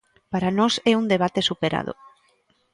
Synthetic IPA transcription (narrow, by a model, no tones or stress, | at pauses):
paɾanɔsɛund̪eβ̞at̪esupeɾa̰ð̞o̰